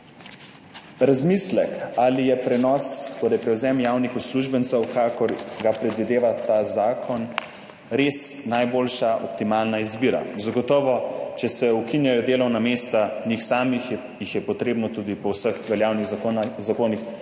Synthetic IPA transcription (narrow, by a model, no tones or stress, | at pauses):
ɾazmislɛkalijɛpɾɛnɔst̪oːɾɛjpɾɛwzɛmjawnixusluʒbənt̪sɛwkakɔɾɡapɾɛd̪ʋid̪eːʋat̪aːzaːkʰɔn | ɾesnajboːlʃaʔɔ̰p̚t̪imaːlnaizbiːɾa̰zaɡɔt̪ɔːʋɔt͡ʃɛsɛukinjajɔd̪eːlɔwnameːst̪anixsaːmix | jixjɛpɔt̪ɾeːbnɔt̪ud̪ipɔwsəxʋɛljaːwniɣzakoːnix